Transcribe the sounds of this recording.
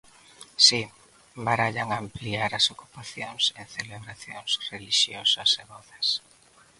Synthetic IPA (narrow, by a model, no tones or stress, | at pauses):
si | baɾaʎaŋampliaɾɐsoku̥paθjoŋsenθeleβɾaθjo̰ŋsreliʃjosɐseβɔθas